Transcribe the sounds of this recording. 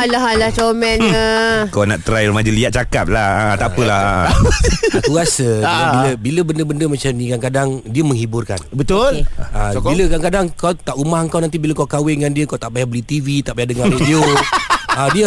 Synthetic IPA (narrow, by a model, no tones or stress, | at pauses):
alaɦalahtomɛnəkawnaʔt̪ɾajrəmad͡ʒəliat̪̚t͡ʃakap̚lahat̪apəlaha̰ | uasəbiləbiləbəndəbəndəmat͡ʃamnĩkankadaŋdiəməŋɦibʊrka̰nbət̪ʊlailəkankadaŋkawt̪aʔumahəŋkawnant̪ibiləkawkawɪŋandiəkawt̪aʔbajabəlit̪ivit̪aʔbajahdəŋaridio | adiə